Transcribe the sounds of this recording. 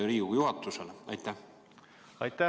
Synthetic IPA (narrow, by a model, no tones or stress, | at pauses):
ɾiːujuɦɑt̪ːˑuseleɑjt̪ːˑæh | ɑjt̪ːæ